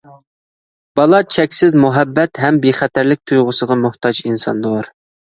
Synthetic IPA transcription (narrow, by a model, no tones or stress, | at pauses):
b̥ɑlˠɑt͡ʃʰɛkʲsɪzmuɦɛbːɛt̪ɦɛmbeχɛt̪ʰæɾlɪk̚ʲt̪ʰujʁʊsəʁɑmuht̪ʰɑd͡ʒinsɑ̰nd̪oɾ